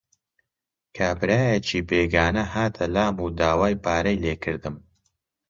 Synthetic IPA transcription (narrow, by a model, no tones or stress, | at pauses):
kʰaːbɨɾaːjet͡ʃʰiːbeːɡaːnɐhaːt̪ʰɐlaːmud̪aːwaːjpʰaːɾɐjleːkʰɨɾd̪ɨm